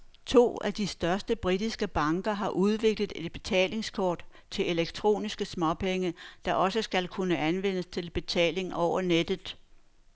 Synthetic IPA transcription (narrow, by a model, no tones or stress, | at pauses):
t͡sʰo̝̰ːæd̥isd̥ɶɐsd̥əb̥ʁid̥isɡ̥əb̥ɑ̈ŋɡ̥ɐɦɑ̈ʔuð̞ˠʋe̝ɡ̥ləð̩ˠe̝d̥̚b̥e̝t͡sʰɛ̰ːle̝ŋskʰɒːd̥ | t͡sʰe̝e̝leɡ̥t͡sʰʁo̝̰ːnisɡ̥əsmɒ̽pʰeŋəd̥ɑ̈ʔɒ̽səsɡ̥ælkʰunəænʋen̰əst͡sʰe̝lb̥e̝t͡sʰɛ̰ːle̝ŋɒʊ̰ɐned̥ð̩ˠ